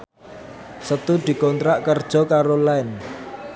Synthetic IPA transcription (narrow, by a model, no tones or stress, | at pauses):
sət̪ud̪̥i̤kɔnt̪ɾaʔkərd̥ʒ̥ɔ̤kaɾolaɛn